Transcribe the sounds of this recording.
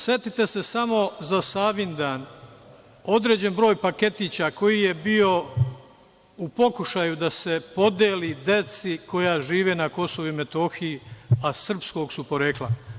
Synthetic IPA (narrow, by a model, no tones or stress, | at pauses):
sje̞t̪it̪e̞se̞samo̞zasaːʋind̪aːn | o̞d̪ɾed͡ʑe̞nbɾo̞ːjpake̞t̪iːt͡ɕako̞jije̞bio̞ | upo̞kuʃajud̪ase̞po̞d̪eːlid̪e̞t̪siko̞jaʒiːʋe̞ːnako̞so̞ʋuime̞t̪o̞xijiasr̩psko̞ːɡsupo̞ɾe̞klˠa